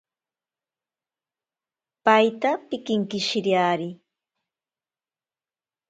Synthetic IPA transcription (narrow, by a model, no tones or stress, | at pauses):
pajt̪apɪkɪŋkɪʃɪɾjaɾɪ